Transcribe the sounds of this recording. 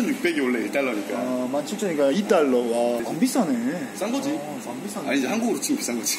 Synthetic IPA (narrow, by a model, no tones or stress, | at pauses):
ʌnjuk̚p͈eɡeoɭːeiɭt͈aɭːʌɲik͈a̰mant͡ɕʰɯkt͡ɕ͈ʰʌɲik͈ait͈aɭːʌwasaŋbis͈aneis͈aŋɡʌd͡ʑi | saŋbis͈aaɲid͡ʑehanɡuɡɯɾot͡ɕʰiɡmpis͈aŋɡʌd͡ʑi